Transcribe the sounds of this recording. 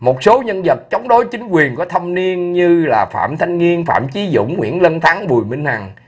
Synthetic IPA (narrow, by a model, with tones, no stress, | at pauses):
mo˨˩t̚so˨˦ɲə˧nzə˨˩t̚t͡ɕɔ˨˦wŋ͡mɗo˨˦jt͡ɕï˨˦ŋ̟kwi˨˩ənkɔ˨˦t̪ʰə˧mni˧ənɲɨ˧laː˨˩fa̰ː˧˨mt̪ʰa˧jŋ̟ŋi˧ənfa̰ː˧˨mt͡ɕi˨˦zʊ̰˧˨ŋ͡mŋwḭ˧˥ənlə˧nt̪ʰa˨˦ŋɓu˨˩əjmï˧ŋ̟ha˨˩ŋ